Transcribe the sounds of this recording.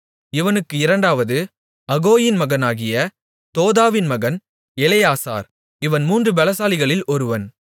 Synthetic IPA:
ɪʋɐnɯkːɯɪɾɐɳɖaːʋɐðɯ | ɐɣoːjɪnmɐɣɐnaːɣɪjɐ | t̪oːðaːʋɪnmɐɣɐn | ɛlɐjaːsa̰ːɾ | ɪʋɐnmuːndrɯbɐlɐsaːlɪɣɐɭɪlɔɾɯʋɐn

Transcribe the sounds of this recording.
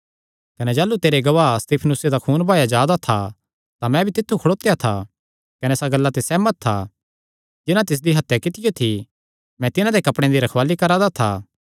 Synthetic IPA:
kɐned͡ʒaːlːut̪eːɾeɡɐʋaːst̪iːpʰnʊsed̪akʰuːnbʱaːjad͡ʒaːd̪at̪ʰa | t̪amɛ̃bʱit̪ɪt̪ʰːukʰɐɽoːt̪ejat̪ʰa | kɐnesaɡɐlːat̪esɛːmət̪̚ʰːa | d͡ʒɪnãt̪ɪs̬d̪iɦɐt̪ːjekɪt̪ɪjot̪ʰi | mɛ̃t̪ɪnãd̪ekɐpɽ̃ẽd̪iɾɐkʰʋaːlikɐɾãd̪at̪ʰaː

